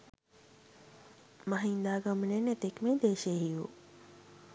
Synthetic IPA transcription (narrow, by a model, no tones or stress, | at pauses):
maɦiːnd̪aːɡəmənenet̪ekmẽd̪eːʃeɦiju